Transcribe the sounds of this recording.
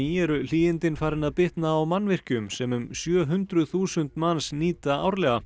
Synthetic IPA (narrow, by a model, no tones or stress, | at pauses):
iɛɾʏl̥iːɪnt̪ɪnfaːɾɪnaðpɪht̪naːwmanːvɪr̥cʏmsɛmʏmsjœːɦʏnt̪ɾʏðθuːsʏn̥t̪mansniːtt̪aa̰ːwɾlɛːɣa